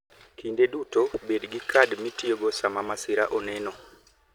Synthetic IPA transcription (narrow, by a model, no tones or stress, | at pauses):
kiːndedutobedɡikʰadmitioɡosamamasiɾaʔoneno